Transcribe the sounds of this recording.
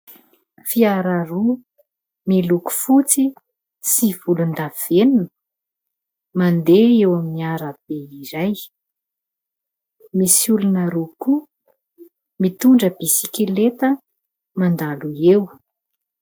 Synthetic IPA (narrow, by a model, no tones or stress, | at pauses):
fiaɾaɾu | miluku̥fut͡si | siv̥ulund̪av̥enunə | mand̪eewaminiaɾəb̥eiɾaj | misulunəɾuku | mit̪uɳɖ͡ʐəbisikilet̪ə | mand̪aluew